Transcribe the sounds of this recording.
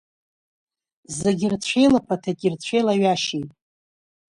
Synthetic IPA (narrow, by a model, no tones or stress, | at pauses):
zeɡʲɪrt͡ɕʷʰe̞jlapʰatʰakʲʼɪrt͡ɕʷʰejlaɥaʃijtʼ